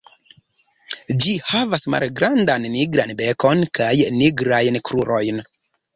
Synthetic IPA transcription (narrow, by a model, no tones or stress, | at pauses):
d͡ʒihavasma̰lɡɾandanːiɡɾanbeko̞nkʰajniɡɾajnkɾuɾo̞jn